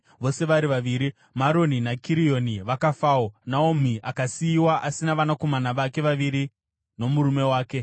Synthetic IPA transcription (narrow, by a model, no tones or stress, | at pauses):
ʋo̞se̞ʋaɾiʋaʋiɾi | maɾo̞ninakʰiɾijo̞niʋakafaːonaom̤iʔakasiːwaʔasinaʋanako̞manaʋake̞ʋaʋiɾi | no̞muɾume̞waːke̞